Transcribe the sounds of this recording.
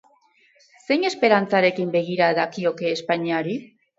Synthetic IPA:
se̞jɲe̞spe̞ɾant͡saɾe̞kimbe̞ɣ̞iɾaðakio̞ke̞ːspaɲiaɾi

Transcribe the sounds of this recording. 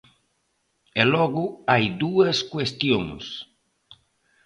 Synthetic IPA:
elɔɣʊajd̪uɐskwest̪joŋs

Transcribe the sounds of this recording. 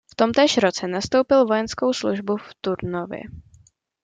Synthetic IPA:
ft̪o̞mt̪ɛːʃɾo̞t͡sɛnast̪owpɪlvo̞jɛnsko̞wsluʒbuft̪uɾnovjɪ̰

